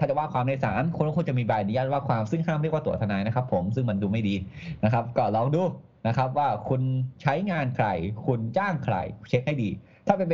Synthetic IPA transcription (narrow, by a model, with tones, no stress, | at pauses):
aː˥˩t͡ɕa˨˩waː˥˩kʰwaː˧mna˧jsa̰ː˩˦nkʰu˧nka˥˩ku˧˥˩t͡ɕa˨˩miː˧baː˨˩niː˧˦a˧˥˧waː˥˩kʰwaː˧msɯ˥˩ŋkʰaː˥˩mɾi˥˩əkwaː˥˩t̪t̪ʰa˧naː˧˩jna˦˥kʰa˦˥pʰːo˩˦msɯ˥˩ŋma˧nduː˧ma˥˩jdiː˧na˦˥kʰa˦˥p̚kɔː˥˩lɔː˧ŋduː˧ | na˦˥kʰɾa˦˥p̚waː˥˩kʰu˧nt͡ɕʰa˦˥jŋaː˧nkʰɾa̰˨˩jkʰu˧nt͡ɕaː˥˩ŋkʰɾa̰˨˩jt͡ɕʰe˦˥k̚ha˥˩jdiː˧ | t̪ʰaː˥˩pe˧npe˧